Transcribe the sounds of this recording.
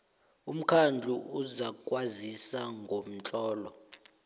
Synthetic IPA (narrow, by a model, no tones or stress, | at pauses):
um̩kʰand͡ɮʱuuzak̬ʼwazisaŋɡʱom̩t͡ɬʼɔːlɔ